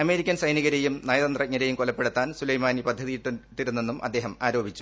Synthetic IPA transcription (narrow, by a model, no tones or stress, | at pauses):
ɐme̞ːɾikʲːɐnsɐjniɣɐɾejumnɐjɐðɐnd̪rɐk̚ɲːɐɾejumkolɐpːeɽut̪ːaːnsulɐjmaːnipɐd̪ʱːɐðijiʈːuʈːiɾunːe̞nːumʔɐ̰d̪ːe̞ːɦɐmaːɾo̞ːbʱit͡ɕːu